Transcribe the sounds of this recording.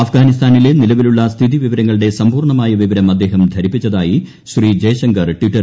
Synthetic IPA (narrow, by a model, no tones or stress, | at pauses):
ɐfɡaːnist̪ʰaːnile̞nilɐʋiluɭːɐst̪ʰiðiʋiʋɐɾɐŋːɐɭɨɽe̞sɐmpuːrɳɐmaːjɐʋiʋɐɾɐmɐd̪ːe̞ːɦɐmd̪ʱɐɾipːit͡ɕːɐðaːji | ɕrid͡ʑeːɕɐŋɡɐrʈwiʈːɐ